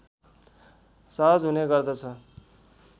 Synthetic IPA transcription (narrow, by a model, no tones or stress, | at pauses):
sʌɦʌd͡zɦuneɡʌrd̪ʌt͡sʰʌ